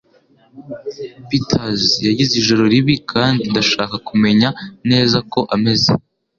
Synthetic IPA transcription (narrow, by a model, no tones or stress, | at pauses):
pitʰazjaɟizeiʒo̞ɾo̞ɾiβikʰaːndindaʃaːkakume̞ɲane̞ːzako̞ʔame̞zḛ